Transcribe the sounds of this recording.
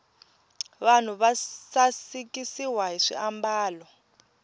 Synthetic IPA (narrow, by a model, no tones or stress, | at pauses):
βan̤uβasasikisiwaɦiʂḭʔambaːlɔ